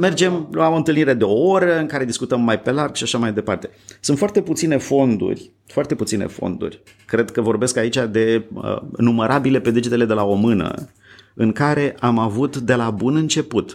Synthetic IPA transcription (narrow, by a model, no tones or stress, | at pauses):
me̞rd͡ʒe̞mlaont̪ɨlniɾe̞d̪e̞oo̞ɾəɨŋkaɾe̞d̪iskut̪əmːajpe̞larɡʃiaʃamajd̪e̞part̪e̞sunt̪fart̪e̞put̪sine̞fo̞nd̪ṵrʲ | foart̪e̞put̪sinḛfo̞̰nd̪ṵrʲ | kɾe̞d̪kəvo̞rbe̞skait͡ʃʲad̪e̞ə̰numeɾʔabile̞pe̞d̪ed͡ʒit̪e̞le̞d̪e̞lao̞mɨnə̰ | ɨŋkaɾe̞ʔamavut̪d̪e̞labunɨnt͡ʃe̞put̪